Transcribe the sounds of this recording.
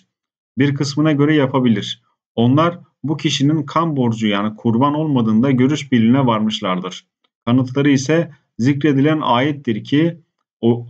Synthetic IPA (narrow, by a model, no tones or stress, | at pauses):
biɾkʰɯsmɯnaɟø̞ɾɛjapʰabilʲiɾ̥ | o̞nlˠaɾ | bucʰiʃininkʰanbo̞ɾd͡ʒujaːnikʰuɾbano̞lˠmad̪ɯːnd̪aɟø̞ɾyʃbilʲinɛvaɾmɯʃlˠaɾd̪ɯɾ̥ | kʰanɯt̪ʰlˠaɾɯisɛ | zicɾe̞d̪ilʲænaːjɛt̪̚d̪iɾcʰi